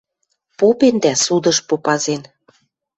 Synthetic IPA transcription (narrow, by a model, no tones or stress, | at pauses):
popend̪æsud̪ɤ̆ʃpopɑzen